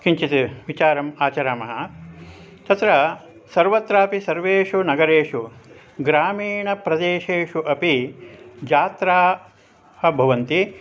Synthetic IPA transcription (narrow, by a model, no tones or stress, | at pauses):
kiɲt͡ʃit̪iʋit͡ʃaːɾɐmaːt͡ʃɐɾaːmɐɦɐ | t̪ɐt̪ɾɐ | sɐɾʋɐt̪ɾaːpisɐɾʋeːʂunɐɡɐɾeːʂu | ɡɾaːmiːɳɐpɾɐd̪eːʃeːʂuʔɐpi | d͡ʒaːt̪ɾaː | hɐbʱɐʋɐnt̪i